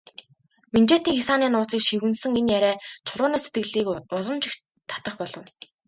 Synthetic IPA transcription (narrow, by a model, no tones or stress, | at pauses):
mint͡ɕeːt̪iːŋxʲasaːniːnʊːt͡siːkʃiwɘ̆nsɘ̆ŋenjæɾæːt͡ɕʰʊɮʊːnaːset̪ɡɘ̆ɮiːkʊɮɞ̆mt͡ɕɪ̆x | t̪ʰḁt̪ə̆χpɔɮɞ̆w